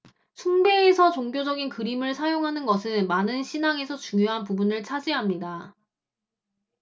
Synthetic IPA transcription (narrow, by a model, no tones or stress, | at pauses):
sʰuŋbe̞ːsʰʌt͡ɕoŋɡjod͡ʑʌɡinkɯɾimɯɭsʰajoŋɦanɯnɡʌsʰɯnmanɯnɕʰinaŋe̞sʰʌt͡ɕuŋjoɦanpubunɯɭt͡ɕʰad͡ʑiɦamɲida